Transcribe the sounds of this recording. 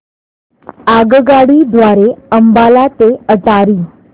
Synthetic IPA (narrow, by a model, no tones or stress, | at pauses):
aɡɡaɽiːd̪ʋaɾeəmbalat̪eət͡saɾiː